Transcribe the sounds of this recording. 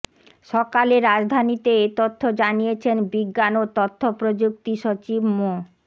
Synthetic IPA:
ʃɔkaleɾːad͡ʑd̪ʱanit̪eet̪ot̪ʰːod͡ʑanijet͡ɕʰenbiɡːanot̪ot̪ʰːopɾod͡ʑuk̚t̪iʃot͡ɕibmo

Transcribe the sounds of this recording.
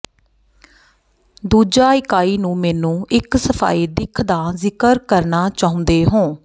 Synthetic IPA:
d̪uːd͡ʒaːɪkaːiːnũːmɛːnũːɪksəpʰa̰ːiːd̪ɪkʰd̪aːzɪkəɾkəɾnaːt͡ʃaːʊ̃nd̪eːɦõː

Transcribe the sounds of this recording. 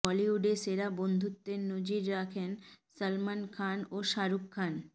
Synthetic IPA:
ɔliuɖeʃseɾabond̪ʱut̪ːenod͡ʑiɾːakʰensəlmankʰanoʃaɾukʰːan

